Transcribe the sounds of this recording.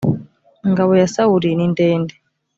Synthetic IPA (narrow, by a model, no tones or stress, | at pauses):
ŋɡaβojasawuɾinindeːnde